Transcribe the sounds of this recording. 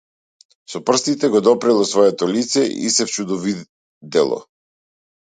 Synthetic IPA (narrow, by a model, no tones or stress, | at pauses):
sɔpr̩st̪it̪ɛɡɔd̪ɔpɾɛlˠɔsvɔɛt̪ɔlit̪sɛʔḭsɛft͡ʃud̪ɔvi | d̪ɛlˠɔ̰